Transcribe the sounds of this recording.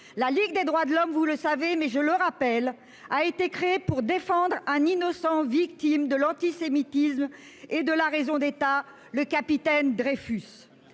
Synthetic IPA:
laliɡ̚d̪ed̪ʁwad̪əlɔmvuləsavemɛʒələʁapɛl | aet̪ekχeːpuʁd̪efɑ̃d̪ʁɛ̃ninɔsɑ̃vik̚t̪imd̪əlɑ̃t̪isemit̪ism | ed̪əlaʁezɔ̃d̪et̪a | ləkapit̪ɛnd̪ʁefys

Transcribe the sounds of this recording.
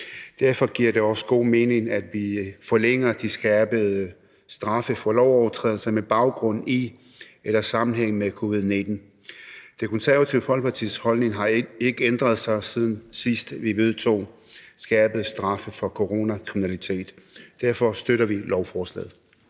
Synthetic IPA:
d̥æɐ̰fɒ̽ɡ̥iɐ̰d̥e̝ɒ̽sə̥ɡ̥o̝̰ːme̝ːne̝ŋæd̥ʋifɒleŋ̰ɐd̥isɡ̥ɛːb̥əð̩ˠə | sd̥ʁɑ̈fəfɒ̽lɒʊɒʊɐt͡sʰʁɛ̰ðˠl̩sɐmeb̥ɑ̈ʊɡ̥ʁɔ̽n̰i | elɐsɑ̈mn̩ɦeŋ̰mekʰo̝ʋið̞ˠne̝d̥n̩ | d̥e̝kʰɔ̽nsæɐæt͡sʰiʊpʰɒ̽lpʰɑ̈t͡sʰḭshɒ̽lne̝ŋɦɑ̈e̝ɡ̥əend̥ʁɐð̞ˠsɑ̈ɪsið̞ˠn̩sisd̥ʋiʋe̝ðˠt͡sʰo̝̰ːsɡ̥ɛːb̥əð̩ˠsd̥ʁɑ̈fəfɒ̽kʰoʁo̝ːnækʰʁiminælit͡sʰe̝̰ːd̥ː | æɐfɒ̽sd̥øɾɐʋilɒʊfɒːslɛ̰ːð̩ˠ

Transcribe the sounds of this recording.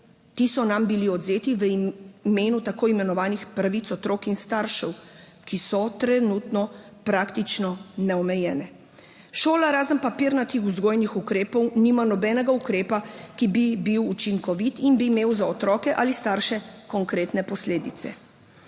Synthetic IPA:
t̪isɔnambiliɔd̪zeːt̪iʋəmeːnut̪akoːimɛnɔʋaːnixpɾaʋit̪sɔt̪ɾoːkinst̪aːɾʃɛw | kisɔt̪ɾɛnuːt̪nɔ | pɾakt̪it͡ʃnɔnɛɔmɛjɛːnɛ | ʃoːlaɾaːzənpapiɾnat̪ixuzɡoːjnixukɾeːpɔwniːmanɔbɛːnɛɡaukɾeːpakibibiwut͡ʃiŋkɔʋit̪inbiːmeːwzaɔt̪ɾɔːkɛʔalist̪aɾʃɛkɔŋkɾeːt̪nɛpɔsleːd̪it̪sɛ̰

